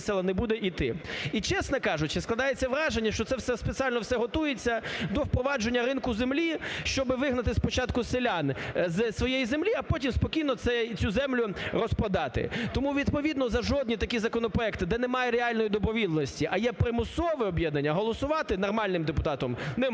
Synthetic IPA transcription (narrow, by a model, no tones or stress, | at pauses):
sɛlˠɐnɛbud̪ɛʔit̪ɪit͡ʃɛsnɛkɑʒʊt͡ʃɪsklˠɐd̪ɑjet͡sʲːɐʋɾɑʒenʲːɐʃt͡ʃɔt̪ɛwsɛspet͡sʲialʲnɔwsɛɦɔt̪ujet͡sʲːɐd̪ɔwpɾɔʋɑd͡ʒenʲːɐɾɪnkʊzemlʲiʃt͡ʃɔbɪʋɪɦnɐt̪ɪspɔt͡ʃɑt̪kʊselʲanzsʋɔjejizemlʲiɐpɔtʲimspɔkʲijnɔt̪sɛt͡sʲuzɛmlʲʊrɔspɐd̪ɑt̪ɪ̰t̪ɔmuʋʲid̪pɔʋʲid̪nɔzɐʒɔd̪̚ʲnʲit̪ɐkʲizɐkɔnɔpɾɔɛkt̪ɪd̪ɛnɛmɑjɛɾeɑlʲnɔjid̪ɔbɾɔʋʲid̪nɔsʲtʲiʔɐjɛpɾɪmʊsɔʋɪɔbʲjɛd̪̚nɐnʲːɐɦɔlˠɔsʊʋɑt̪ɪnɔrmɑlʲnɪmd̪epʊt̪ɑt̪ɔmnɛ